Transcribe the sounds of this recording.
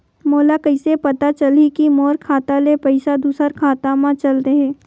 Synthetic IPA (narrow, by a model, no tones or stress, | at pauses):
moːlakɐɪsepɐt̪at͡ʃɐlikimɔːɾkʰaːt̪alepɐɪsad̪uːsəɾkʰaːt̪amãt͡ʃɐlt̪eɦɛ̃ː